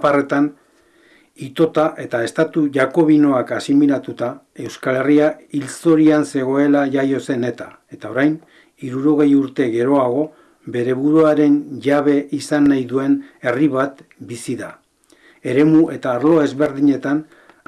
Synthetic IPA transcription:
pare̞t̪an | it̪o̞t̪aʔe̞t̪ae̞st̪at̪uʝako̞β̞ino̞akasimiɾat̪ut̪a | e̞wskale̞riailt͡so̞ɾianse̞ɣ̞o̞e̞laʝajo̞se̞ne̞t̪a | e̞t̪ao̞ɾajn | iɾuɾo̞ɣ̞e̞juɾt̪e̞ɣe̞ɾo̞aɣ̞o̞ | βe̞ɾe̞βuɾuaɾe̞nʝaβe̞ʔisanːajðue̞ne̞riβ̞at̪bisiða̰ | e̞ɾe̞muʔe̞t̪aːɾlo̞e̞zβe̞ɾðiɲe̞t̪an

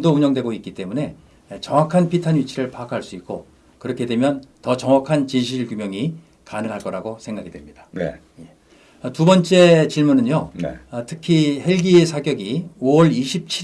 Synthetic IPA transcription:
douɲʌŋdwe̞ɡoik͈it͈e̞mune̞ | t͡ɕʌŋwakʰanpʰitʰanɥit͡ɕʰiɾɯɭpakʰaɭs͈uik͈̚o | kɯɾʌkʰe̞dwe̞mjʌntʌt͡ɕʌŋwakʰant͡ɕiɕʰiɯɭkjumjʌŋi | kanɯŋɦaɭk͈ʌɾaɡosʰe̞ŋɡaɡidwemɲidan̰ | je̞ | ʌtubʌnt͡ɕ͈e̞t͡ɕiɭmunɯnjo̰tʰɯkʰihe̞ɭɡiesʰaɡjʌɡiowʌɭiɕʰip̚t͡ɕʰi

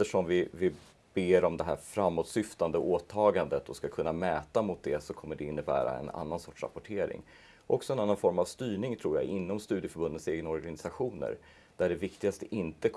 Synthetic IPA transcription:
əʂɔmvɪvɪ | b̥eːɾɔmd̪ɛɦæ̰ɾfɾamːoːt̪sʏft̪and̪əoːt̪ʰɑːɡand̪ət̪ʰɔskakʰɵnːamɛːt̪amʊt̪̚d̪ɛsɔkʰɔmːəɖɛɪnːəbæ̰ːɾa̰ɛ̰na̰nːansɔʈʂɾa̰pɔʈʰeːɾɪ̰ŋ | ʔɔksɔɛnanːanfɔɾmavst̪yːɳɪŋt̪ʰɾuːɾja̰ɪnːɔmst̪ʉ̟d̪jəfœɾbɵnd̪ət̪seːɡənaɔɾɡanɪsaɧuːnə̰ɾ | d̪̥æɖɛvɪkt̪ɪɡast̪əʔɪnt̪ə

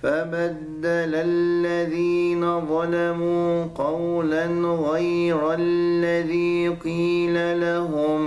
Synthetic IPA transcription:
fabad̪ːalalːaðiːnaðˤɑlamuːqɑwlanɣajɾalːaðiːqiːlalaɦʊm

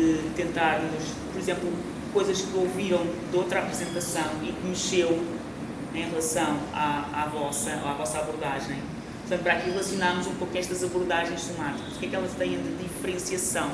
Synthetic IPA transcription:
ɨt̪ẽnt̪aɾmuʃ | pɔɾizẽmplˠu | kojzɐʃkɨoviɾɐ̃w̃d̪owt̪ɾapɾɨzẽnt̪ɐsɐ̃w̃ikɨmɨʃew | ẽj̃ʁlˠɐsɐ̃w̃aavɔsɐoavɔsaβuɾðaʒɐ̃j̃ | pɾt̪ɐ̃npɾakiʁlˠɐsjunaɾmuzũmpokuɛʃt̪ɐzɐβuɾðaʒɐ̃j̃ʃsumat̪i̥kɐzukɛkɛlˠɐʃt̪ɐ̃j̃ɐ̃d̪ɨðifɨɾẽsiɐsɐ̃w̃

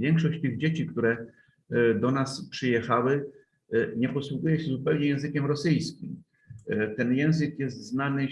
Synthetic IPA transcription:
vʲjɛŋkʂɔɕt͡ɕt̪ɘɣd͡ʑet͡ɕikt̪uɾɛ | d̪ɔnaspʂɘjɛxawɘ | ɲɛpɔswuɡujɛɕɛzupɛwɲɛjɛ̃w̃zɘkʲɛmɾɔsɘjskʲim | t̪ɛnjɛ̃w̃zɘkjɛst̪znanɘ

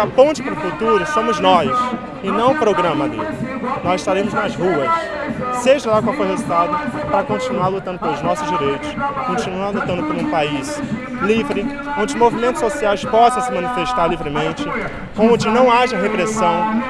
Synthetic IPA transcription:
apõnt͡ʃɪ̥pɾʊfut̪uɾʊsõmʊznɔs | ɪnɐ̃w̃pɾoɡɾɐ̃mɐd̪ḛlɪnɔzɪʃt̪aɾẽmʊznɐzɦuɐs | seʒɐlakawkɛhezid̪ad̪ʊpɾɐkõt͡ʃinuaɾlut̪ɐ̃nd̪ʊpelˠʊznɔsʊzd͡ʒiɾejt̪ʊ̥skõt͡ʃinualut̪ɐ̃nd̪ʊpɐɾũpais | livɾɪ | õd͡ʒɪʊmovimẽnt̪ʊ̥sosiajspɔsɐ̃w̃sɪmɐ̃nifeʃt̪aɾlivɾɪmẽt͡ʃɪ | kõõd͡ʒɪnɐ̃w̃aʒɐɦepɾesɐ̃w̃

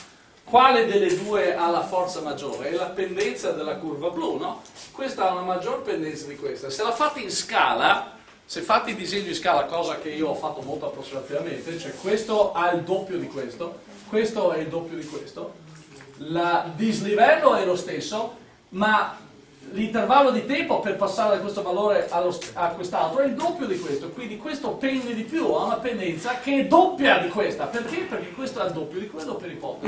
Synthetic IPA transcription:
kwaːled̪elːed̪uːeʔalafɔrt̪samad͡ʒːo̰ːɾeɛlapend̪ɛnt̪sad̪elːakurvabluːnokwest̪aaunamad͡ʒːoɾpend̪ɛnt̪sad̪ikwest̪aselafat̪ːiinskaːla | sefːat̪ːid̪izeɲːoĩnskaːlakɔːzak̟eiːoɔfːat̪ːomolt̪oapːɾosːimat̪ivament̪et͡ʃoɛkwest̪oaild̪opːjod̪ikwest̪o | kwest̪oɛild̪opːjod̪ikwest̪o | lad̪iznivɛlːoɛlost̪esːo | ma | lint̪ervalːod̪it̪ɛmpoperpasːaːɾed̪akwest̪ovaloːɾeʔalːosakwest̪alt̪ɾoɛild̪opːjod̪ikwest̪okwind̪ikwest̪opɛnd̪ed̪ipjuaunapend̪ɛnt̪sakeɛd̪opːjad̪ikwest̪aperk̟eperk̟ekːwest̪oɛld̪opːjod̪iked̪opːjad̪ipɔt̪ːe

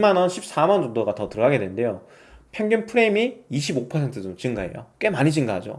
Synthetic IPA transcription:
imanʌnɕʰip̚s͈amand͡ʑondoɡatʌtɯɾʌɡaɡe̞dwe̞nɯndejo | pʰjʌŋɡunpʰɯɾeimiːɕʰibopʰʌsʰe̞ntʰɯdot͡ɕiŋɡae̞̰jo̰k͈we̞maɲid͡ʑiŋɡaɦad͡ʑo̰

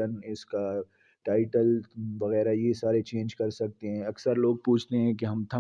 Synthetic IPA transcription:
ənɪska | ʈaːɪʈəlʋɐɣɛːɾajesaːɾet͡ʃẽːnd͡ʒkɐɾsɐk̚t̪eɦɛ̃ɐksəɾloːɡ̚puːt͡ʃʰt̪eɦɛ̃kiɦɐmt̪ʰɐ

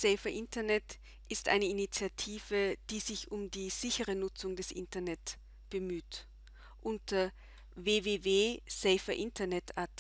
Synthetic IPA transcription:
sɛɪfɐʔɪntɐnɛt | ʔɪstʔa̰ɪnəinit͡sjatʰiːv̥əd̥iːzɪçʊmdiːz̥ɪçəʁənʊt͡sʊŋdɛsʔɪ̰ntɐnɛt | b̥əmyːt | ʔʊntʰɐ | veːveːveːz̥ɛɪfɐʔɪntɐnɛtaɐt

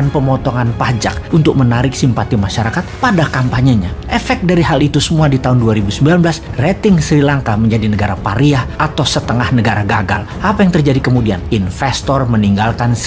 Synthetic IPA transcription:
anpəmɔt̪ɔŋanpad͡ʒak̚unt̪ʊk̚mənaɾɪk̚simpat̪imaʃaɾakat̪̚padakampaɲəɲaʔɛfɛk̪̚daɾiɦalit̪usəmuadit̪aɦʊnduaɾibusəmbilanbəlasret̪ɪŋsɾilaŋkaməɲd͡ʒadinəɡaɾapaɾiahʔat̪awsət̪əŋahnəɡaɾaɡaɡa̰l | ʔapajaŋt̪ərd͡ʒadikəmudianinfɛst̪ɔrməniŋɡalkans

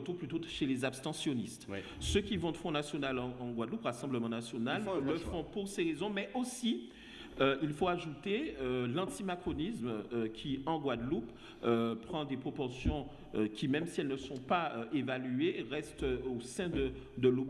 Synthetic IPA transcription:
t̪uʁplyt̪oʃelezabst̪ɑ̃sjɔnist̪ | səkʲivɔ̃d̪əfɔ̃nasjonalɑ̃ɑ̃ɡwad̪lupʁasɑ̃bləmɑ̃nasjonalːəfɔ̃puʁseʁezɔ̃mɛʔosi | øilfoaʒut̪eølɑ̃t̪imakχɔnismøkʲʰiɑ̃ɡwad̪lup | øpχɑ̃d̪epχopɔʁsjɔ̃ | kʲimɛmsiɛlnəsɔ̃paøʔevalyeʁɛst̪osɛ̃d̪ə | d̪əlup

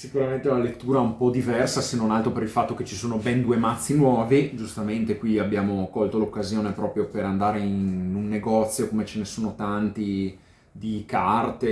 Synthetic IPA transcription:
sikuɾament̪eunalet̪ːuːɾaumpɔd̪ivɛrsasenonalt̪ɾopeɾilfat̪ːoket͡ʃisoːnobɛnd̪uemat̪sːinwɔːvid͡ʒust̪ament̪ekwiabːjaːmokɔlt̪olokːazjoːnepɾɔːpɾjopeɾand̪aːɾeinunːeɡɔt̪sːjokomet͡ʃenesoːnot̪ant̪i | d̪ikart̪e

